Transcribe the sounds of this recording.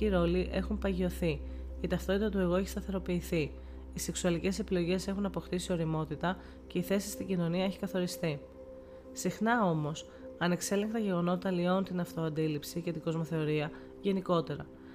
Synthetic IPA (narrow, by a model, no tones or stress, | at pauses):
iɾo̞liʔe̞xumpɐʝio̞θi | it̪ɐft̪o̞t̪it̪ɐt̪ue̞ɣo̞e̞çi̥st̪ɐθe̞ɾo̞piːθi | ise̞ksuɐlice̞se̞pilo̞ʝe̞se̞xunɐpo̞xt̪isio̞ɾimo̞t̪it̪ɐ | ce̞iθe̞si̥st̪iɲɟino̞niɐeçi̥kɐθo̞ɾist̪i | sixnɐo̞mo̞s | ɐne̞kse̞leŋk̚t̪ɐʝe̞ɣo̞no̞t̪t̪ɐlio̞unt̪inɐft̪o̞ɐnd̪ilipsice̞t̪iɡo̞zmo̞θe̞o̞ɾiɐ | ʝe̞niko̞t̪e̞ɾɐ